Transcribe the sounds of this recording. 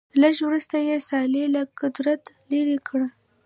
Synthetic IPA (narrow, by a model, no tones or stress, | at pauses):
ləʒwɾust̪ajesɑlelakʊd̪ɾat̪ | leɾikɽa